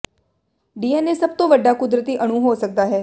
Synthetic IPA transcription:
ɖiːɛːnesɐb̚t̪õʋəɖːaːkʊd̪ɾət̪iːʔəɽ̃ũɦoːsək̚d̪aːɦɛː

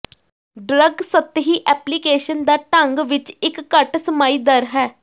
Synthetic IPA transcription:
ɖɾəɡsət̪ːɦiːʔɛːplikeːʃənd̪aːʈə̃ŋɡʋɪt͡ʃɪkːəʈsəmaːiːd̪əɾɦɛː

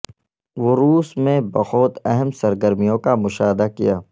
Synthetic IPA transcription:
ʋoːɾuːsmẽbɐxɔːt̪ɛɦɛmsɐɾɡəɾmijõkamʊʃaːɦɪd̪akijaː

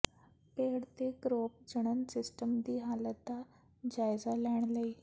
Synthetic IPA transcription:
peɽt̪ekɾop̚d͡ʑəɽ̃ənsisʈəmd̪iːɦalət̪a | d͡ʑajd͡zalaɳ̃ləi

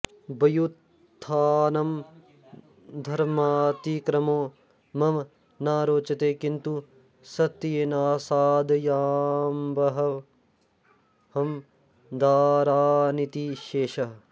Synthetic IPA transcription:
bɐjut̪ʰː | aːnɐm | d̪ʱɐɾmaːt̪ikɾɐmoː | mɐm | naːɾoːt͡ʃɐt̪eːkint̪u | sɐt̪ːjenaːsaːd̪jaːmbɐɦɐ | hɐm | d̪aːɾaːnit̪iʃeːʃɐ

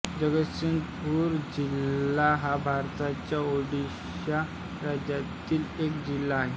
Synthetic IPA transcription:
d͡ʑəɡəsiŋɡpuɾd͡ʑilːaɦabʱaɾt̪at͡ɕjaoɖi | ɕja | ɾad͡ʑjat̪iːlekd͡ʑilːaːɦe

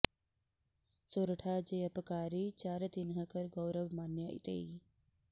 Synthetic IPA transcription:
soːɾəʈʰaːd͡ʒejɐpəkaːɾiːt͡ʃaːɾet̪inɦəkəɾɡowɾəʋmaːnjəʔḭt̪ḛːi

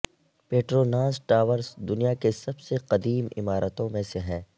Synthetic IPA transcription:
peːʈɾoːnãːsʈaːʋəɾzd̪ʊnijakesɐbseqɐd̪iːmɪ̰maːɾʔət̪õmẽseɦɛ̃ː

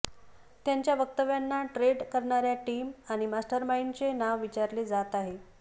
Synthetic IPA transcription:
t̪jaɲt͡ɕjaʋək̚t̪əʋjanːaʈɾeɽkəɾɳaɾjaʈiːmaɽ̃imasʈəɾmaint͡senaʋʋit͡ɕaɾleːd͡zat̪aɦe

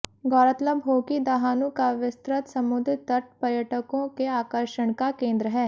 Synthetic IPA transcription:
ɡɔːɾət̪ləbɦoːkid̪aɦãːnũːkaʋɪst̪ɾət̪səmʊd̪ɪt̪əʈ̚pəɾjəʈəkõːkeaːkəɾʃəɳkakẽːnd̪ɾəɦɛː

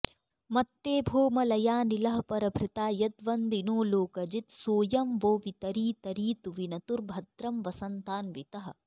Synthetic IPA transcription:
mɐt̪ːeːbʱoːmɐlɐjaːnilɐɦɐpɐɾɐbʱɾɪt̪aːjɐt̪ʋɐnd̪inoːloːkɐd͡ʒit̪soːjɐmʋoːʋit̪ɐɾiːt̪ɐɾiːt̪uʋinɐt̪uɾbʱɐt̪ɾɐmʋɐsɐnt̪aːnʋit̪ɐɦɐ̆

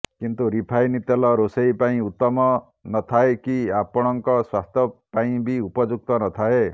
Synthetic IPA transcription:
kint̪uɾipʰajnit̪elɔɾosejpaĩut̪ːɔmɔ | nɔt̪ʰaekiapɔɽ̃ɔŋkɔswast̪ʰɔpaĩbiupɔd͡ʒuk̚t̪ɔnɔt̪ʰae

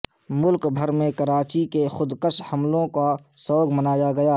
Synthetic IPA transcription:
mʊlkbʱəɾmẽkəɾaːt͡ʃikexʊd̪kəʃhɐmlõka | sɔːɡmənaːjaɡɐjaː

